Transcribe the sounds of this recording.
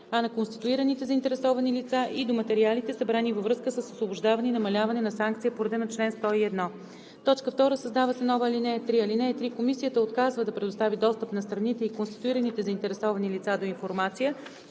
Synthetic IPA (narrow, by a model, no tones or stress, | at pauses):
ɐnɐkonst̪i̥t̪uiɾənit̪ɛzəint̪ɛɾɛsɔvɐnilit̪saʔid̪omɐt̪ɛɾialit̪ɛsɐbɾanivəvɾɤskəsəsosvoboʒd̪avɐninɐmɐlʲavɐnɛnɐsaŋkt̪sijəpoɾɐd̪ɛnot͡ʃlɛnst̪ɔiɛd̪nɔ | t̪ɔt͡ʃkəft̪ɔɾəsəzd̪avəsɛnɔvəlinɛt̪ɾiɐlinɛt̪ɾikomisijət̪əot̪kazvəd̪ɐpɾɛd̪ost̪avid̪ɔst̪əpnɐst̪ɾɐnit̪ɛikonst̪i̥t̪uiɾənit̪ɛzəint̪ɛɾɛsɔvɐnilit̪sad̪oinfoɾmat̪sijə